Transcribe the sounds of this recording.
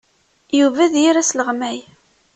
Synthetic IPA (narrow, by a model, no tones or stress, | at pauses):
juvæðjiɾæsləʁmæj